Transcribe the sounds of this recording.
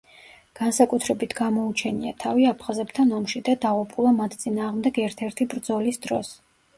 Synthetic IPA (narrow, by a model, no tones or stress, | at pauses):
ɡ̥ansakʼut̪ʰɾɛbit̪ʰɡamɔut͡ʃʰɛniat̪ʰaviapʰχazɛpt̪ʰanɔmʃid̪ad̪aʁupʼulˠamat̪ʰt̪sʼinaːʁmd̪ɛɡɛɾt̪ʰɛɾt̪ʰibɾd̪zɔlisd̪ɾɔs